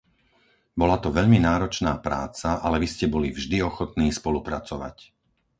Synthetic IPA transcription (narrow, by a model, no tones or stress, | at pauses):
bɔlat̪ɔʋɛʎminaːɾɔt͡ʃnaːpɾa̰ːt͡saʔalɛʋiscɛbɔlivʒd̪iɔxɔt̪niːspɔlupɾat͡sɔʋa̰c